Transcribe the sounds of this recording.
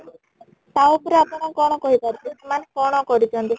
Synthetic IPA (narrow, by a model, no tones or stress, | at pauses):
t̪awpɔɾeapɔɽ̃akɔɽ̃ɔkɔɦibaɾlismankɔɽ̃ɔkɔɾit̪ʰiɔnt̪i